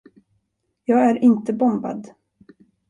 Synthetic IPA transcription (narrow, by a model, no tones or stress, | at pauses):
jɑːɡæɾʔɪnt̪əbɔmba̰d̪